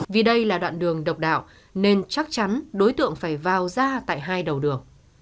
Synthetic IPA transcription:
vi˨˩ɗə˧jlaː˨˩ɗwa̰ː˧˨nɗɨ˨˩əŋɗə˨˩wk͡p̚ɗa̰ː˧˨w | ne˧nt͡ɕa˦˥k̚t͡ɕa˨˦nɗo˨˦jt̪ɨ̰˧˨əŋfaː˧˩jvaː˨˩wzaː˧t̪a̰ː˧˨jɦaː˧jɗə˨˩wɗɨ˨˩əŋ

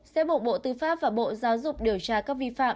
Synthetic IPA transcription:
sɛ˧˦ɓo˨˩˨ɓo̰˧˨t̪ɨ˧faː˦˥p̚vaː˨˩ɓo̰˧˨zaː˨˦wzʊ˨˩k͡p̚ɗi˧˩əwt͡ɕaː˧kkaː˦˥k̚vi˧fa̰ː˧˨m

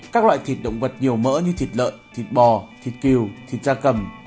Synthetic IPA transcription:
kaː˦˥klwa̰ː˧˨jt̪ʰi˨˩t̚ɗə̰˧˨wŋ͡mvə˨˩t̚ɲi˨˩əwmə̰ː˧˥ɲɨ˧t̪ʰi˨˩t̚lə̰ː˧˨jt̪ʰi˨˩t̚ɓɔ˨˩t̪ʰi˨˩t̚ki˨˩əwt̪ʰi˨˩t̚zaː˧kə˨˩m

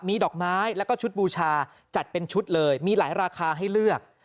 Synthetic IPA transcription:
miː˧dɔː˨˩k̚maː˦˥jlɛː˦˥wkɔː˥˩t͡ɕʰu˦˥t̪̚buː˧t͡ɕʰaː˧ | t͡ɕa˨˩t̪̚pe˧nt͡ɕʰu˦˥t̪̚lɤː˧jmiː˧laː˩˦jɾaː˧kʰaː˧ɦa˥˩jlɯ˥˩ək̚

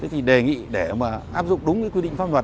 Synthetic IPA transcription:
ə˨˦t̪i˨˩ɗe˨˩ŋḭ˧˨ɗe˧˩maː˨˩ʔaː˦˥p̚zʊ̰˧˨ŋ͡mɗʊ˨˦ŋ͡mkɨː˨˦kwi˧ɗḭ˧˨ŋ̟faː˧nlwaː˨˩

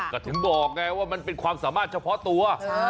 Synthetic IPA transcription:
kaː˧˩t̪ʰɯ˨˩˦ŋbɔː˨˩k̚ŋa˧waː˥˩ma˧npe˧nkʰwaː˧msaː˩˦maː˥˩t̪̚t͡ɕʰa˧pʰɔ˦˥t̪u˧ɐ

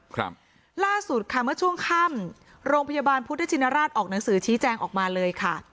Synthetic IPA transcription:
kʰɾa̰˦p̚ | laː˥˩su˨˩t̪̚kʰa˥˩mɯ˥˩ət͡ɕʰu˥˩əŋkʰa˥˩m | ɾoː˧ŋpʰa˧jaː˧baː˧npʰu˦˥t̪̚ʰːa˦˥t͡ɕʰi˧nːaː˧ɾaː˥˩t̪̚ʔɔː˨˩k̚na˩˦ŋsɯː˩˦t͡ɕʰiː˦˥t͡ɕɛː˧ŋʔɔ̰ː˨˩k̚maː˧lɤː˧jkʰa˥˩

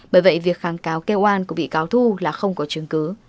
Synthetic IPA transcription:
ɓəː˧˩jvə̰˧˨jvi˨˩ək̚xaː˨˩ŋkaː˨˦wke˧wʔwaː˧˩nku˧˥˦ɓḭ˧˨kaː˨˦wt̪ʰu˧laː˨˩xə˧wŋ͡mkɔ˨˦t͡ɕɨ˨˦əŋkɨ˨˦

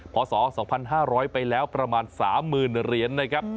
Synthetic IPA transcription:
pʰɔː˩˦sɔː˩˦sɔː˩˦ŋpʰa˧nɦaː˥˩ɾɔː˦˥jpa˧jlɛː˦˥wpɾa˧maː˧nsaː˩˦mːɯː˨˩nɾi˩ənːa˦˥kʰɾa˦˥p̚

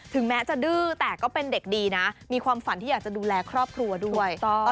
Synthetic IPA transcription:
t̪ʰɯ˨˩˦ŋmɛː˦˥t͡ɕa˨˩dɯː˥˩t̪ɛː˨˩kɔː˥˩pe˧nde˨˩k̚diː˧na˦˥miː˧kʰwaː˧mfa˨˦nt̪i˥˩jaː˨˩t͡ɕa˨˩duː˧lɛː˧kʰɾɔː˥˩p̚kʰɾu˧ɐdu˥˩əjɔ˥˧

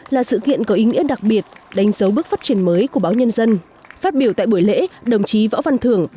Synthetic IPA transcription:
laː˨˩sɨ̰˧˨kḭ˧˨ənkɔ˨˦ʔi˨˦ŋḭ˧˥əɗa˨˩k̚ɓi˨˩ət̚ɗa˨˦jŋ̟zə˨˦wɓɨ˦˥k̚faː˦˥t̚t͡ɕi˧˩ənməː˨˦jku˧˩əɓaː˨˦wɲə˧nzə˧n | faː˦˥t̚ɓi˧˩wt̪a̰ː˧˨jɓu˧˩əjlḛ˧˥ɗə˨˩wŋ͡mt͡ɕi˨˦vɔ̰˧˥wva˧nt̪ʰɨ˨˧˩əŋ

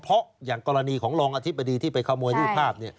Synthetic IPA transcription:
pʰɔ˦˥jaː˨˩ŋkɔː˧ɾa˧niː˧kʰɔː˩˦ŋɾɔː˧ŋʔaː˧t̪ʰi˦˥p̚ːa˧diː˧t̪ʰiː˥˩pa˧jkʰaː˥˩mu˧j̪ʰiː˥spʰaː˥˩p̚ni˥˩ɐ

